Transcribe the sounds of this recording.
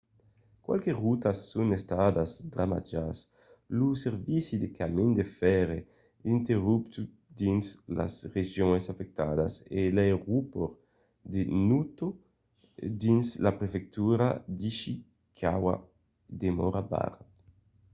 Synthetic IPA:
kwa̰lkerut̪asːunest̪ad̪azd̪ɾama̰d͡ʒas | luseɾvisid̪ekamind̪efɛɾe | int̪eʁupt̪u | d̪insla̰sreʒjoŋesafek̚t̪ad̪a̰sḛleʁupoɾ | d̪enut̪o | d̪inslapɾefek̚t̪uɾad̪iʃi | kʰawa̰ | d̪emɔɾaba̰ɾ

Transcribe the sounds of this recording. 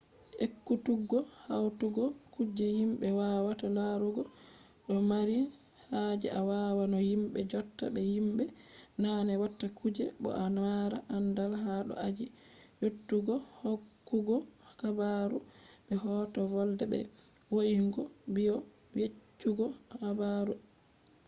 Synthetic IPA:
ekːutuɡɔhawtuɡɔkud͡ʒɛhimɓɛwawatalaɾuɡɔ | ɗɔmaɾi | had͡ʒɛ̰ʔawawanɔhimɓɛd͡ʒɔtːa̰bɛhimɓɛnanɛwatːakud͡ʒɛɓɔ̰ʔanwaɾaʔandalɦaɗɔ̰ʔad͡ʒijotːuɡɔhokːuɡɔkabaɾuɓɛhɔːtɔvɔldɛbɛ̰ | woʔiŋɡɔbiɔ | jet͡ʃːuɡɔhabaɾu

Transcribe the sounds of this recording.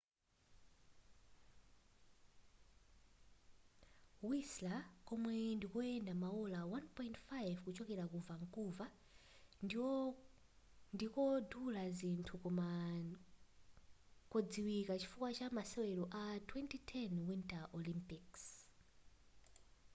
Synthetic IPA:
wislakɔmwɛndikɔɛndamaɔlawanpɔjintfajvkut͡ʃɔkɛɾakuvaŋkʼuva | n | ndikɔdulazintʰua | kɔd͡ziwikat͡ʃi̥fukwat͡ʃamasɛwɛlɔʔatʰwɛntitʰɛnwintaʔɔlimpiks

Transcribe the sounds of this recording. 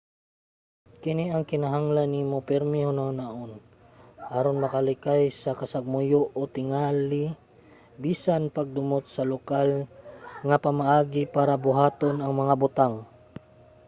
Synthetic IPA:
kɪniʔɐŋkɪnaɦaŋlanimopɛɾmɪhʊnahʊnaʔon | ʔaɾonmɐkalɪkajsɐkɐsaɡ̚mʊjoʔot̪ɪŋaːlɪ | biːsanpɐɡ̚d̪ʊmot̪̚sɐlokal | ŋapɐmaʔaːɡɪpaːɾabʊɦaːt̪onɐŋmɐŋabʊt̪aŋ

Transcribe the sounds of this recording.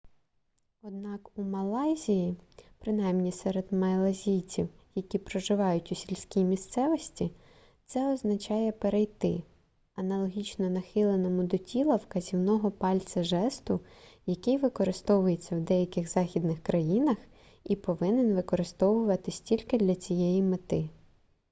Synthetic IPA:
ɔd̪̚nɑkumɐlˠɑjzʲijipɾɪnɑjmnʲisɛɾed̪mɐjlˠɐzʲijt͡sʲiwjɐkʲipɾɔʒɪʋɑjʊtʲʊsʲilʲsʲkʲijmʲist̪sɛʋɔsʲtʲi | t̪sɛɔznɐt͡ʃɑjɛpeɾejt̪ɪ | ɐnɐlˠɔɦʲit͡ʃnɔnɐxɪlˠenɔmʊd̪ɔtʲʰilˠɐwkɐzʲiwnɔɦɔpɑlʲt͡s̪ɐʒɛst̪ʊjɐkɪjʋɪkɔɾɪst̪ɔʋʊjet͡sʲːɐwd̪ɛjɐkɪɣzɑxʲid̪nɪxkɾɐjinɐx | ipɔʋɪnɪnʋɪkɔɾɪst̪ɔʋʊʋɐt̪ɪsʲtʲilʲkɪd̪lʲɐt͡sʲijɛjimɪt̪ɪ

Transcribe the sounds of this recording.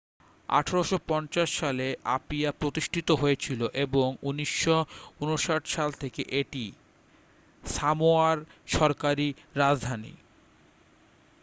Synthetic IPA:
a̰ʈʰaɾoʃopɔnt͡ɕaʃːaleʔapiapɾot̪iʃʈʰit̪oɦoet͡ɕʰiloʔeboŋuniʃːounoʃaʈʃalt̪ʰekeʔeʈi | samoaɾʃɔɾkaɾi | ɾad͡ʑd̪ʱanḭ

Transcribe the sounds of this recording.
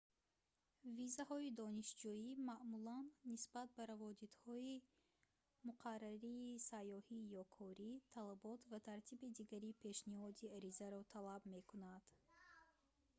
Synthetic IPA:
vizahɔid̪ɔniʃd͡ʒuimaʔmulanːisbat̪̚baɾavɔd̪it̪hɔi | muqʰarːaɾiːsajːɔhijɔkʰɔɾit̪ʰalabɔt̪vat̪ʰaɾt̪ʰibid̪iɡaɾipʰe̞ʃnihɔd̪iaɾizaɾɔt̪ʰalabme̞kʰunad̪̥

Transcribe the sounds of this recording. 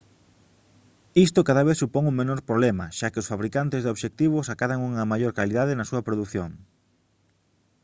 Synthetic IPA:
ist̪okaðaβeθsupoŋuŋmenoɾpɾoβlɛmɐ̰ʃakeosfaβɾikant̪ɪzðoβʃek̚t̪iβ̞ʊsakaðaŋuŋɐmajoɾkaliðaðɪnɐsuɐpɾoðuθjoŋ

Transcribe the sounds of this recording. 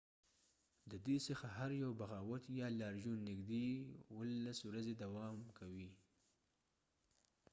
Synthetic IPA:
d̪əd̪esəxaɦaɾjawbaɣɑwat̪jɑlɑɾʒunnːɪɡd̪ewəlːaswɾazed̪awɑmkʰawi

